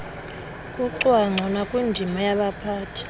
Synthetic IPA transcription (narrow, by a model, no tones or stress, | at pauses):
kʼuǀwaŋ͡ǃʱɔnakʼwindʱimajaɓapʰaːtʰi̥